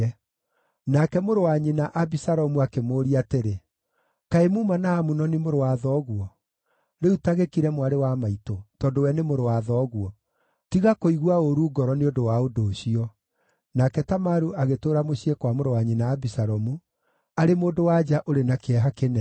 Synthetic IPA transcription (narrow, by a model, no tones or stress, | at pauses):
ɛ | nakɛmoɾowaɲinaʔabisaɾɔmuakemoːɾiateɾe | kaemuːmanaːmunɔnimoɾowaðɔːɣwɔ | ɾeutaɣekiɾɛmwaɾewamaitotɔːdowɛnemoɾowaðɔːɣwɔ | tiɣakoiɣwaoɾuːɡɔɾɔneodowaodoːɕiɔ | nakɛtamaɾuʔaɣetoːɾamoɕiekwamoɾowaɲinaːbisaɾɔmu | aɾemoːdowad͡ʒaʔoɾenakeɛɦakenɛ